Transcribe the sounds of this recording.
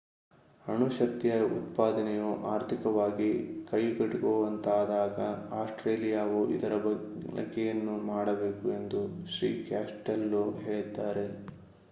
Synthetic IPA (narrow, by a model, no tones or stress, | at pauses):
ɐɳuʃɐk̚t̪ijɐɐṵt̪paːd̪ɐnɛjuʔaːɾt̪ʰikɐʋaːɡikɐjɡɐɽuɡoːʋɐnt̪aːd̪aːɡɐaːsʈɾeːlijaːʋuʔḭd̪ɐɾɐbɐɐ̰ɡːɛjɐnːumaːɽɐbe̞ːkue̞nd̪uʃɾḭːkaːsʈelːuɦe̞ːɭid̪aːɾe̞